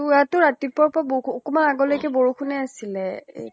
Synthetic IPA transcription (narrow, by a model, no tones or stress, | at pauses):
uatʊɹatipɔɹpʊaboukɔmanaɡɔlojkɛboɹukunɛasilɛ̰